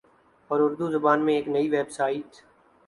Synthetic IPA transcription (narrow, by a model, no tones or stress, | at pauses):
ɔːɾʊɾd̪uːzʊbaːnmẽeːknəiːʋeːbsaːiːt̪